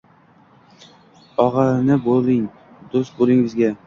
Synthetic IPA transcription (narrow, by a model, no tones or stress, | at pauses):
ɒʁɑnɪbolˠɪŋ | d̪ost̪̚bolˠɪŋɪzɡʲa